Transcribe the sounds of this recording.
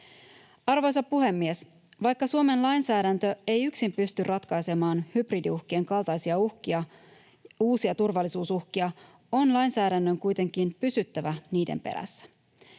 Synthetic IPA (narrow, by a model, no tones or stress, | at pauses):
ɑrʋo̞jsɑpːuɦe̞mːie̞s | ʋɑjkːɑsuome̞nlɑjnsæːdænt̪ø̞e̞jyksimpyst̪yrʔɑt̪kɑjse̞mɑːnhybridiuhk̟ieŋkɑlˠt̪ɑjsiɑuhkiɑ | uːsiɑt̪urʋɑlːisuːsuhkiɑ | o̞nlɑjnsæːdænːø̞ŋkujt̪e̞ŋk̟inpysyt̪ːæʋæniːdḛmpe̞̰ɾæ̰sːæ̥